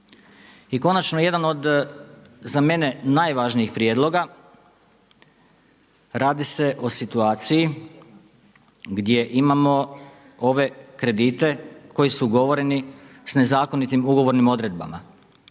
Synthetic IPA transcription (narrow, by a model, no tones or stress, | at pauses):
iko̞nat͡ʃnoje̞d̪ano̞d̪ | zame̞ne̞najʋaːʒniixpɾjeːd̪lˠo̞ɡa | ɾaːd̪ise̞ʔo̞sit̪uaːt̪siji | ɡd̪je̞ʔimamo̞ | o̞ʋe̞kɾe̞d̪iːt̪e̞ko̞jisuɡo̞ʋo̞ɾe̞nisne̞zaːko̞nit̪imuɡo̞ʋo̞ɾnimo̞d̪ɾe̞d̪̚ba̰ma